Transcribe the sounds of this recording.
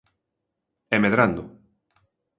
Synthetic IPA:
emeðɾand̪oʊ

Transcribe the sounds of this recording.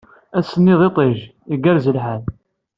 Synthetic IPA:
æsənːɪðˤet̪ˤeʒiɡæɾzəlħal

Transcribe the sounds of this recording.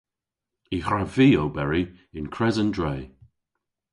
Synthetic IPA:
ixɹaviːowbɛɹiɪ̃nkʰɹɛzəndɹeː

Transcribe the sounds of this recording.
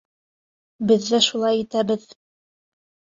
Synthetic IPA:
bɘ̆ðːæʃulˠɑjit̪æbɘð

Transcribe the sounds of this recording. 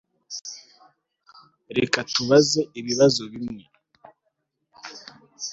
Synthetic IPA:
ɾekatuβaze̞iβiβazo̞βimŋe

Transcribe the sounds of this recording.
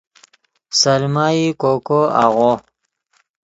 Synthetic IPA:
salmaikokoa̰ɣo

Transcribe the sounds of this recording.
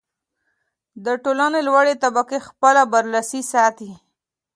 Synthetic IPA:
d̪əʈolanelwaɽet̪abakexpəlabaɾlasisɑt̪i

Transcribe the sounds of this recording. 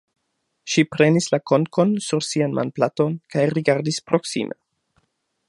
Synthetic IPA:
ʃipɾe̞nislako̞nko̞nsuɾsianmʔa̰nplatonkajɾiɡaɾdispɾo̞ksḭmʔḛ

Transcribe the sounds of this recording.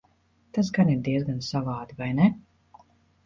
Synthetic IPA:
t̪as̬ɡaniɾd̪iɛzɡansavaːd̪ivajnɛ

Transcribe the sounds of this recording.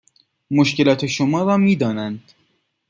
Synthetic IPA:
moʃke̞lɒːt̪ʰe̞ʃomɒːɾɒːmiːd̪ɒːnænd̪̥

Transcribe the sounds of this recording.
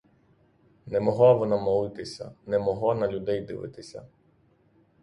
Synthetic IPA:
nɛmɔɦlˠaʋɔnɑmɔlˠɪt̪ɪsʲɐ̰nɛmɔɦlˠɔnɐlʲud̪ɛjd̪ɪ̰ʋɪ̰t̪ɪsʲɐ̰

